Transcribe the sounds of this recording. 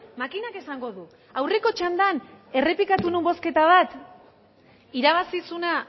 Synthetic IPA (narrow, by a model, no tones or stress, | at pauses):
makinake̞saŋɡo̞ðu | awre̞ko̞t͡ʃand̪ane̞re̞pikat̪unumbo̞ske̞t̪aβ̞at̪ | iɾaβ̞asisuna